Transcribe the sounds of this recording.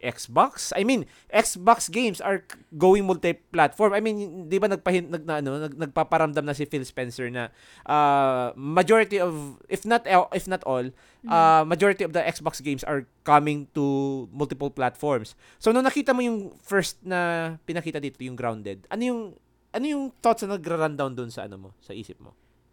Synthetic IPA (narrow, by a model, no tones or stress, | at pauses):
ʔɛksbaksʔɐ̰jmin | ʔɛksbaksɡejmsɐɹɡoːwɪŋmʊlt̪ɪplat̪fɔɹmajminɪnd̪ibanɐɡ̚pɐhɪnɐɡ̚nɐʔɐno̞nɐɡnɐɡ̚papɐɾɐmd̪amnɐs̬ɪfilspɛnsɛɹnɐ | ʔa | mɐd͡ʒoɹɪt̪iɔvʔɪfnɐt̪ʔɪfnɐt̪ol | ʔamɐd͡ʒoɹɪt̪iɔvd̪ɐʔɛksboksɡejmsʔɐ̰ɹkɐmɪŋt̪umʊlt̪ɪpʊlplat̪fɔɹmsː | onʊŋnɐkiːt̪ɐmojʊŋfɛɹst̪̚nɐpɪnɐkiːt̪ɐd̪iːt̪o̞jʊŋɡɾawnd̪ɛd̪̚ɐnojʊŋ | ʔɐnojʊŋθot̪sɐnɐɡɾaɾand̪awnd̪ʊʔnsɐʔɐ̰no̰mo̰sɐʔḭːsɪp̚mo̰